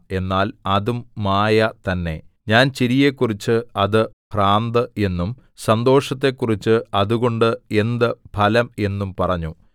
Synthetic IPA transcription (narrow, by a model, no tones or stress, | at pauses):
e̞nːaːlɐðumːaːjɐt̪ɐnːe̞̰ | ɲaːnt͡ɕiɾijekːurit͡ɕːɨɐðɨ | praːnd̪ɨe̞nːum | sɐnd̪o̞ːʂɐt̪ːe̞kːurit͡ɕːɨɐðuɣo̞ɳɖɨe̞nd̪ɨpʰɐlɐme̞nːumpɐrɐɲːu